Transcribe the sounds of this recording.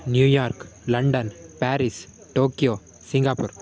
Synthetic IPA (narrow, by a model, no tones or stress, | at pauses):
njuːjaːɾklɐɳɖɐnpaːɾis | ʈoːkijoː | sɪŋɡaːpʊɾ